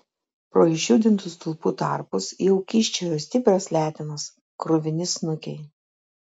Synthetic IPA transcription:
pɾoːɪʃʲʊːd̪ʲɪnt̪ʊst̪ʊlˠpuːt̪ɑ̰ˑɾpʊsjɛʊkʲiˑʃʲt͡ʃʲɛjoːsʲt̪ʲɪpʲɾʲɛslʲæːt̪ʲɪnɐs | kɾʊʋʲɪnʲɪsnʊkʲɛɪ

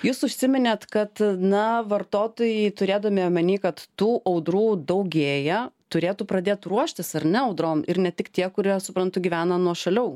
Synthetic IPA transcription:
juːsʊʃʲsʲɪmʲɪnʲeːt̪kɐt̪nɐʋɐrt̪oːt̪oːjɛɪt̪ʊɾʲeːd̪ɐmʲimʲɛnʲiːkɐt̪t̪uːʔɐʊd̪ɾuːd̪ɐʊɡʲeːjɛt̪ʊɾʲeːt̪uːpɾɐd̪ʲeːt̪ruɔʃʲt̪ʲɪsɐɾnʲɛɐʊd̪ɾoːmɪɾnʲɛt̪ʲɪkt̪ʲiɛkʊɾʲiɛsʊpɾɐnt̪ʊɡʲiːʋʲæːnɐnuɔʃɐlʲɛʊ

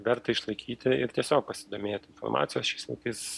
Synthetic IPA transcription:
ʋʲɛɾt̪ɐɪʃlˠɐɪkʲʰiːt̪ʲɪɪɾt̪ʲiɛsʲoːk̚pɐsʲɪd̪oːmʲeːt̪ɪnfo̰ɾmʔɑ̰ːt̪sʲɪjoːsʃʲɛɪslʲˠɐt̪ɐɪs

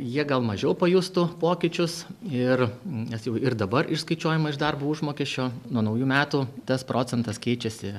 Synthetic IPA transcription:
jiɛɡɐlˠmɐʒʲɛʊpɐjuːst̪ʊpoːkʲɪt͡ʃʲʊsɪrnʲɛsjɛʊɪrd̪ɐbɐrɪʃskɐɪt͡ʃʲuɔːjɛmɐɪʒd̪ɐrbuːʊʒmoːkʲɛsʲt͡ʃʲoːnuɔnɐʊjuːmʲæːt̪uːt̪ɐspɾoːt͡sʲɛnt̪ɐskʲɛɪt͡ʃʲɛsʲɪ

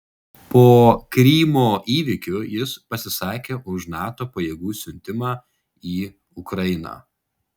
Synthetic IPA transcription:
poːkɾʲiːmoːʔiːʋʲɪkʲʊjɪspɐsʲɪsɑːkʲeːʔʊʃnɑːt̪oːpɐjeːɡuːsʲʊnʲt̪ʲɪmɑː | iː | ʊkɾɐɪnɑ̰ː

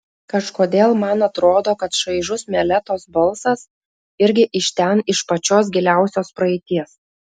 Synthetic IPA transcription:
kɐʃkoːd̪ʲeːlˠmɐnɐt̪ɾoːd̪oːkɐt̪ʃɐɪʒʊsmʲɛlʲɛt̪oːsbɐlˠsɐs | ɪɾʲɡʲɪʔɪʃt̪ʲɛnɪʃpɐt͡ʃʲoːs̬ɡʲɪlʲæˑʊsʲoːspɾɐɛɪt̪ʲiɛs

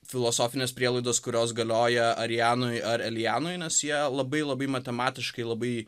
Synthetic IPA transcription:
fʲɪlˠoːsoːfʲɪnʲeːspʲɾʲiɛlˠɐɪd̪oːskʊɾʲoːs̬ɡɐlʲoːjɛɐɾʲjæːnoɪɐɾɐlʲjæːnoːɪnʲɛsjiɛlˠɐbɐɪlˠɐbɐɪmɐt̪ʲɛmɑːt̪ʲɪʃkɐɪlˠɐbɐɪ

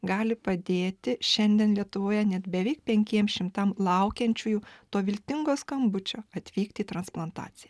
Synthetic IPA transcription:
ɡɑːlʲɪpɐd̪ʲeːt̪ʲɪʃʲɛnʲd̪ʲiɛnlʲiɛt̪ʊʋoːjɛnʲɛt̪bʲɛʋʲɛɪk̚pʲɛŋʲkʲiɛmʃʲɪmt̪ɐmlˠɐʊkʲɛnʲt͡ʃʲuːjuːt̪oːʋʲɪlʲt̪ʲɪŋɡoːskɐmbʊt͡ʃʲoːɐt̪ʲʋʲiːkt̪ʲiːt̪ɾɐnsplˠɐnt̪ɑ̰ːt̪sʲɪjɛ

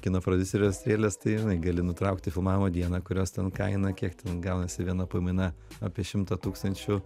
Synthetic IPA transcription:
kʲɪnoːpɾod̪ʲʊsʲɛɾʲoːsʲt̪ʲɾʲeːlʲest̪ɐɪjɪnɐɪɡɐlʲɪnʊt̪ɾɐʊkt̪ʲɪfʲɪlˠmɑːʋʲɪmoːd̪ʲiɛnɐkʊɾʲoːst̪ʲɛnkɐɪnɐkʲiɛkt̪ʲɛnɡɐʊnɐsʲɪʋʲiɛnɐpɐɪmʲɪnɐa̰ːpʲiɛʃʲɪmt̪ɐt̪uːkst̪ɐnʲt͡ʃʲʊ

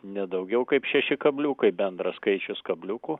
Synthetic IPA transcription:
nʲɛd̪ɐʊɡʲɛʊkɐɪpʃʲɛʃʲɪkɐbʲlʲuːkɐɪbʲɛnd̪ɾɐskɐɪt͡ʃʲʊskɐbʲlʲʊkuː

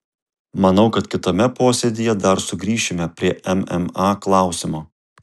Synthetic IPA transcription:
mɐnɐʊkɐt̪kʲɪt̪oːmʲɛpoːsʲɛd̪ʲɪjɛd̪ɐɾsʊɡɾʲiːʃʲɪmʲɛpʲɾʲiɛʔɛmɛmɑːklˠɑˑʊsʲɪmoː

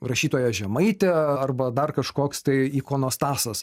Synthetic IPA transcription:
rɐʃʲiːt̪oːjɛʒʲɛmɐɪt̪ʲɛɐrbɐd̪ɐrkɐʃkoːkst̪ɐɪikoːnoːst̪ɑːsɐs

